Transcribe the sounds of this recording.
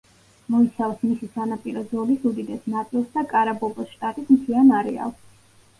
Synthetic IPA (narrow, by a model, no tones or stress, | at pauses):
mɔisavsmisisanapʼiɾɔzɔlisud̪id̪ɛsnat̪sʼilˠsd̪akʼaɾabɔbɔsʃt̪ʼat̪ʼismt̪ʰianaɾɛa̰lˠs